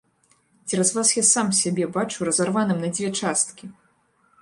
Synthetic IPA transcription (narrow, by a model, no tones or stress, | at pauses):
d͡zʲɛɾɐzvasjasamsʲabʲɛbat͡ʂuɾɐzarvanɨmnɐd͡zʲvʲɛt͡ʂast̪kʲi